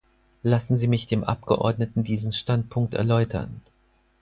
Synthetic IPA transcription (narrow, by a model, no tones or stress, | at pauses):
lasn̩ziːmɪçd̥eːmʔa̰p̚ɡ̥əʔɔ̰ɐdnətn̩diːzn̩ʃtant̚pʰʊŋk̚tɛ̰ɐlɔʏtʰɐ̰n